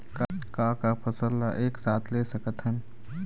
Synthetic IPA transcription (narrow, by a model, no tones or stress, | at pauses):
kakakapʰəsəlːaʔeːksaːt̪ʰlesəkət̪ɦən